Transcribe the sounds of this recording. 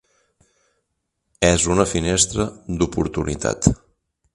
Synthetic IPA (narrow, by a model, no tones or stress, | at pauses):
ɛzunəfinest̪ɾəd̪upuɾt̪unḭt̪ʰa̰t̪